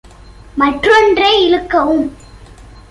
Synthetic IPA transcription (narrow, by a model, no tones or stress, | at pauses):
mɐʈrɔndreːɪɻɯkːɐʋɯm